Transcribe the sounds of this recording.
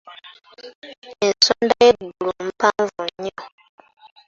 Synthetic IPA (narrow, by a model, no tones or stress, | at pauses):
ensoːndajeɡulum̩paɱvuɲːo